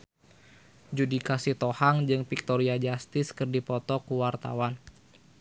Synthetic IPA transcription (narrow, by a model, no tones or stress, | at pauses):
d͡ʒudikasit̪ohaŋd͡ʒɨŋpik̚t̪oɾiad͡ʒast̪ɪskɨrdipɔt̪ɔkuwart̪a̰wan